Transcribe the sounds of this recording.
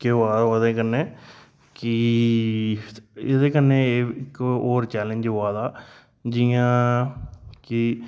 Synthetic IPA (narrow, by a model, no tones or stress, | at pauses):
keaːd̪aoːd̪eːkəneː | kɪ | ḛːd̪eːkənːeːɪkoːɾt͡ʃɛːləɲd͡ʒɦoaːd̪aː | d͡ʒiãː | kɪ